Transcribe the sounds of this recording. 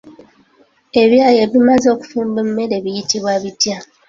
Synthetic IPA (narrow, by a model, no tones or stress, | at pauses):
eβjaːjeβimazoku̥fuːmbem̩meɾeβijitiβwaβitja